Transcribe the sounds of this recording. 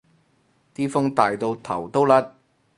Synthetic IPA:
t̪iː˥fʊ˥ŋt̪aː˨jt̪o˧wt̪ʰɐ̰˨˩wt̪o˥wlɐ˥t̚

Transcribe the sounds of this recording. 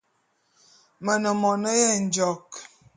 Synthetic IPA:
mə˨nə˨mɔ˨nə˦jɛ˦˨n̩˨d͡ʒɔ˨k

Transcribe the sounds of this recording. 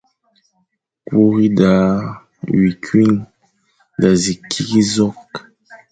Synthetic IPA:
kwo˦ɣi˦da˨ | wi˨kʰɥi˦n | da˨zi˨kʰi˦ki˦zɔ˦k

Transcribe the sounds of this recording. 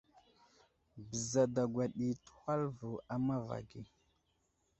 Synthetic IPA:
bə˨za˨da˨ɡwa˨ɗi˨tu̥˦xa˦lvu˨a˨ma˦va̰˨ɡi˨

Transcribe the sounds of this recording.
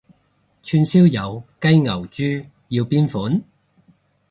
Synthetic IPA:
t͡ʃʰyː˧nsiː˥wjɐ˨˧wkɐ˥jŋɐ˨˩wt͡ʃyː˥ | jiː˧wpiː˥nfuː˨˥n

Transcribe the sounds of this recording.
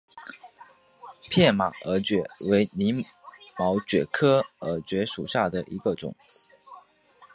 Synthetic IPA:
pʰjɛ˥˩nma̰˨˩ə˧˥t͡ɕɥɛ˨˩we˧˥ɪni˧˥ | mɑ˧˥ʊt͡ɕɥɛ˨˩kʰɤ˥ə˧˥t͡ɕɥɛ˧˥ʂu˨˩ɕja˥˩d̪ə˩ʔi˧˥ɡə˧ʈ͡ʂʊ̰˨˩˦ŋ

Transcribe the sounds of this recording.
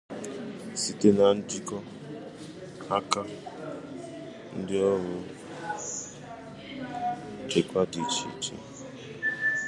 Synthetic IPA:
si˨ti˦na˨n˦di˦kɔ˦ | ha˦ka˦ | n˦di˦ɔ˦ɦu˦ | d͡ʒe˨kwa˦di˨t͡ʃʰḭ˨tʰḭ˨

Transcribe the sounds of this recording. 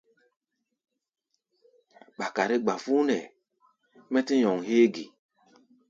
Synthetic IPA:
ɓa˨ka˨ɾi˦ɡ͡ba˨fu˦nɛ˨ | mɛ˦ti˦ɲɔ˨ŋheː˦ɡi˨

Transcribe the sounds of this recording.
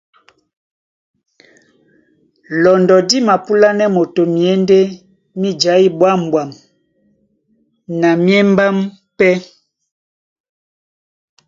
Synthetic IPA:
lɔ˨ndɔ˨di˦ma˨pu˦la˦nɛ˦mo˨to˨mi˨ɛ˦nde˦ | mi˦d͡ʒa˨˦i˦bwa˦m˨bwa˨m | na˨mje˦mba˦m | pɛ˦

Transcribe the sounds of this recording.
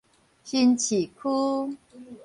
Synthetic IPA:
ɕi˥˧nt͡ɕʰi˨˩kʰu˦

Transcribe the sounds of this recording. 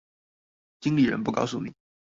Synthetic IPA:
t͡ɕi˥ŋli˥˩ɻə̰˧˥npu˥˩kɑ˥ʊsu˥˩nḭ˨˩˦

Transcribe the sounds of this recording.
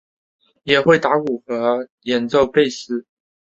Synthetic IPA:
jɛ˨˩xwe˥˨ɪt̪a˧˥ku˨˩xɤ˧˥ | jɛ˧˥nt͡so˥˧ʊpe˥˨ɪsɹ̩˥

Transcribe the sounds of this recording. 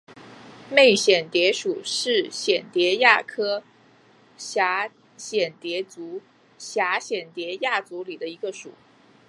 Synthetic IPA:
me˥˩ɪɕjɛ˨˩nt̪jɛ˧˥ʂu˨˩ʂɻ̩˥˩ɕjɛ˨˩nt̪jɛ˧˥ja˥˩kʰɤ˥ | ɕja˧˥ | ɕjɛ˨˩nt̪jɛ˧˥t͡su˧˥ | ɕja˧˥ɕjɛ˨˩nt̪jɛ˧˥ja˥˩t͡su˧˥li˨˩d̪ə˦i˧˥ɡə˧ʂṵ˨˩˦

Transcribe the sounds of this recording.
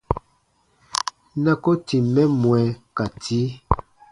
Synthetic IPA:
na˦ko˦ti˨mɛ˦mwɛ˨ka˨tʰi˨˦

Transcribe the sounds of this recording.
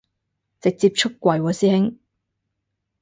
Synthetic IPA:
t͡sɪ˨k̚t͡siː˧p̚t͡ʃʰʊ˥kːʷɐ˨jwɔː˨˧siː˥hɪ˥ŋ

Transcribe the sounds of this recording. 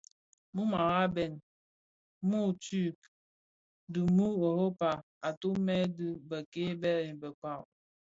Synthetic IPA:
mu˦ma˨ɾa˦bɛ˨n | mu˦˨tu˦˨k | du˨mu˦o˨ho˦pa˨ | a˨tu˦me˦du˦bə˨ke˦be˦ɾe˨n˨bə˨k͡pa˦˨w

